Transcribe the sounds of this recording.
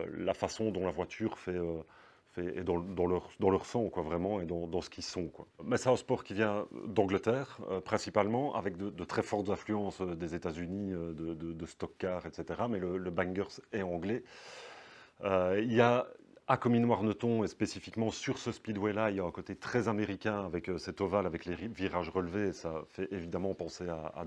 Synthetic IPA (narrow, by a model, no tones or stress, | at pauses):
lafasɔ̃d̪ɔ̃lavwat̪ʰyːʁfɛø | fɛɛ̰d̪ɑ̃d̪ɑ̃lœʁd̪ɑ̃lœʁsɑ̃kwavʁɛmɑ̃ed̪ɑ̃d̪ɑ̃sə̥kʲisɔ̃kwamɛsɛə̃spɔːʁkʲivjɛ̃d̪ɑ̃ɡlət̪ɛːʁø̰pχɛ̃sipalmɑ̃ʔa̰vɛk̚d̪əd̪ət̪χɛfɔʁt̪zɛ̃flyɑ̃sød̪ezet̪azyniød̪əd̪əd̪əst̪ɔkːaːʁɛt̪set̪eʁamɛlələbaŋɡœʁsɛɑ̃ɡlɛ | øiljaakɔminwaʁnət̪ɔ̃espesifikmɑ̃syʁsəspid̪wɛlailjaɛ̃kot̪et̪χɛzameʁikʲɛ̃avɛkøsɛt̪ɔvalavɛkleviʁaʒʁəlvesafɛʔevid̪amɑ̃pɑ̃seaa̰